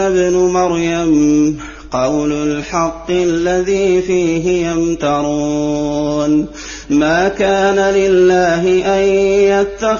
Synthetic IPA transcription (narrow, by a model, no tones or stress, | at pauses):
abnʊmaɾjam | qɑwlʊlħɑqːɨʔalːaðiːfiːɦɪjamt̪ɑɾˤu | n | maːkaːnalɪlːaːɦɪʔanjat̪ːa